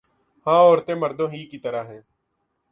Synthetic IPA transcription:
hãːɔːɾt̪ẽːməɾd̪õːɦiːkit̪əɾaːɦɛ̃ː

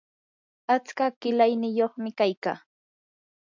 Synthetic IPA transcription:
at͡skakɪlajnɪjoχmɪkajkaː

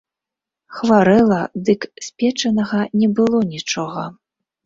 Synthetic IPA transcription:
xvaɾɛlˠɐd̪ɨksʲpʲɛt͡ʂɐnɐɣɐnʲɛbɨlˠɔnʲit͡ʂɔɣɐ

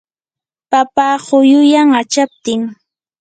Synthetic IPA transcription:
papaːɢʊjʊjaŋat͡ʃap̚t̪ɪŋ

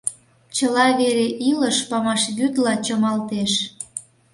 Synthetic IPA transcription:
t͡ɕəlɑβeɾeʔiləʃpɑmɑʃɣyd̪lɑt͡ɕəmɑlt̪eʃ

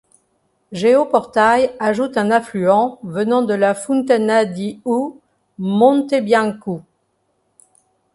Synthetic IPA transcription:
ʒeopɔʁt̪ajaʒut̪ɛ̃naflyɑ̃vənɑ̃d̪əlafũnt̪anad̪iu | mɔ̃t̪ebjãku

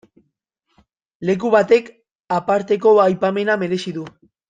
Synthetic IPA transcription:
le̞k̬uβat̪e̞k | apaɾt̪e̞ko̞ajpame̞name̞ɾe̞siðu

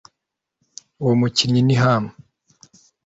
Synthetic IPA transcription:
muciɾɲiniɦama

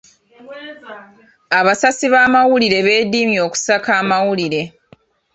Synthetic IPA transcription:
aβasasiβaːmawuliɾe̞βe̞ːdiːmjo̞ːku̥sakaːmawuliɾe̞

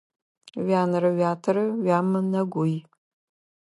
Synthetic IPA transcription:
ɥaːnɨɾɐɥaːtʰɐɾɨɥaːmɨnɐɡʷʊj

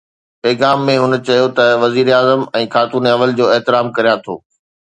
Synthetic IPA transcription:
pɛːɣaːmːẽɦʊnə̆t͡ɕɐjot̪ɐʋɐziːɾaːzəmɛ̃ːxaːt̪uːnɐʋəld͡ʑoːɛɦt̪ɪɾaːmkɐɾijãt̪ʰo̰ː

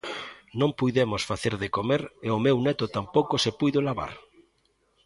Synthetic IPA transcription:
nõŋpujðemʊsfaθeɾðɪkomeɾeʊmewnɛt̪ʊt̪ampowkʊsepujðʊlaβa̰ɾ

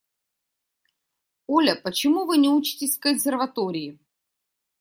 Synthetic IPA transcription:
olʲəpət͡ɕɪmuvɨnʲɪut͡ɕɪ̥tʲɪsʲkəsʲɪrvɐt̪oɾʲɪɪ

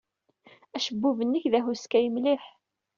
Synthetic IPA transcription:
æʃəbːuvənːəçðæɦuskæjəmliħ

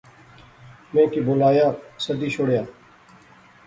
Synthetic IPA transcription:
mẽːkibolaːjaːsəd̪iːʃʊɽjaː

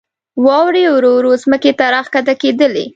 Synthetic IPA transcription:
wɑwɾeawɾoɾozməket̪aɾɑxkat̪aked̪əlḛ

